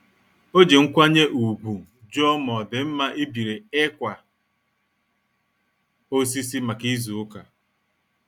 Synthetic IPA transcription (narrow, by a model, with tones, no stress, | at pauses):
o˦d͡ʒe˨ŋ̩˦kʷa˦ɲe˦ʔu˨bu˨ | d͡ʒɔ˦mɔ˨dɪ˨m̩˦ma˦ʔi˦bi˨ɾe˨e˦kʷa˨ | o˦s̬i˦si˦ma˨ki˦zu˨ʊ˦ka˨